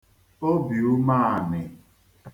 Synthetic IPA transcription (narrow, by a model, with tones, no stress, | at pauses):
o˦bi˨u˦ma˦a˨nɪ˨